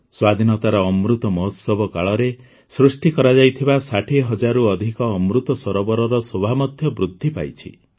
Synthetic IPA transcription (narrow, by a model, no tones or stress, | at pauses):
swad̪ʱinɔt̪aɾɔːmɾut̪ɔmɔɦɔt̪sɔbɔkaɭɔɾe | sɾusʈikɔɾad͡ʒajt̪ʰibasaʈʰiɦɔd͡ʒaɾuɔd̪ʱikɔːmɾut̪ɔsɔɾɔbɔɾɔɾɔsobʱamɔd̪ʱjɔbɾud̪ʱːipa̰jt͡ʃʰḭ